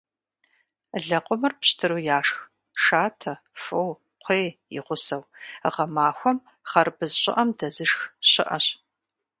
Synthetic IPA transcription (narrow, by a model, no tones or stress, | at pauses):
ɮɐqʷʼʊmɨrpɕtʰɨɾuːjaːʂx | ʂaːtʰɐ | fow | qʷʰeːjɪ̰ʁʷʊsɐwə̰ʁɐmaːxʷɔm | χɐrbɨzɕʼɪ̰ʔɐmdɐzɨʂxɕɪ̰ʔɐ̰ɕ